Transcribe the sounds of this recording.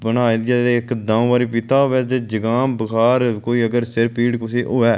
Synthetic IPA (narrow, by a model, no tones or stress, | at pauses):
bənaːed̪ɛd̪eːɪkd̪ãːʋaːɾiːp̬ɪt̪aːoʋɛːd̪eːd͡ʒəɡaːmbəkʰaːɾkoːiːəɡəɾsɪɾpiːɽkʊsiːʔoːɛː